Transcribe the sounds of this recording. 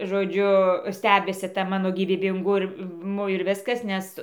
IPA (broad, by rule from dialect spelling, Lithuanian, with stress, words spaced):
ʒoːˈd͡ʒʲʊ ˈsʲtʲæːbʲɪsʲɪ ˈtɐ ˈmɑːnoː ɡʲiːʋʲiːbʲɪŋɡʊˈmʊ ɪr ˈʋʲɪskɐs ˈnʲɛs